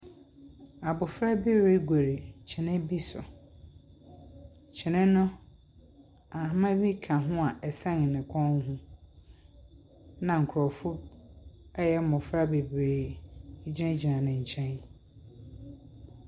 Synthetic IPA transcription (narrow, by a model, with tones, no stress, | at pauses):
a˨bʊ˨fɾa˦bi˦ɾe˦ɡʷe˨ɾe˨t͡ɕʰɪ˨nɪ̃˦bi˦sɔ̰˨ | t͡ɕʰɪ˨nɪ̃˦nʊ̃˦ | a˨hmã˦bi˦kʰã˨ɦʊ̃˦a˨ʔɛ˨sã˦ŋ˨nɪ̃˨kʰɔ̃˦ŋ˦ɦũ˦ | nã˨ŋ̩˨kʰʊ˨ɾɔ˨fʊ˦ | ɛ˦jɛ˦mʊ̃˨fɾa˦be˨bɾeː˨˦ | d͡ʑɛ̃˦d͡ʑi˨nã˨nɪ̃˨ɲ̩˨t͡ɕʰɛ̃˦n